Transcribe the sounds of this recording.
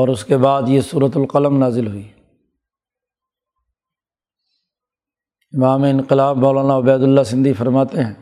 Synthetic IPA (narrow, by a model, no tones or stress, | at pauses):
ɔːɾʊskebaːd̪jesuːɾət̪ʊlqɐləmnaːzɪlɦʊiː | ɪmaːmeɪ̃nqɪlaːbmɔːlaːnaʊbɛːd̪ʊlːasɪ̃nd̪ifɐɾmaːt̪eɦɛ̃ː